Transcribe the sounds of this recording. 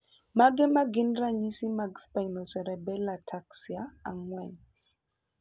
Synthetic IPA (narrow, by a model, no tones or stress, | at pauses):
maɡɛmaɡinraɲisimaɡspainɔsɛɾɛbɛlatʰaksiaaŋwɛɲ